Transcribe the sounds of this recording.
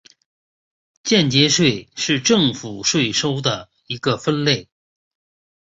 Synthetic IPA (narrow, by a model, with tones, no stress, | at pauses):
t͡ɕjɛ˥˩nt͡ɕjɛ˧˥ʂwe˥˧˩ɪʂɻ̩˥˧ʈ͡ʂɤ˥˩ŋfu˨˩ʂwe˥˩ɪʂo˥ʊd̪ə˨ | i˧˥ɡə˧fə˥nle˥˩ɪ